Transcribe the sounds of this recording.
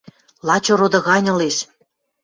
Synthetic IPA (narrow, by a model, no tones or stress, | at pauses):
lˠɑt͡ɕoɾod̪ɤ̆ɣɑnʲɤ̆leʃ